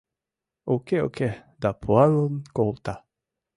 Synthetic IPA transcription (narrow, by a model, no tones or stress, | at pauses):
okeo̰ke | d̪apʰualonkolt̪a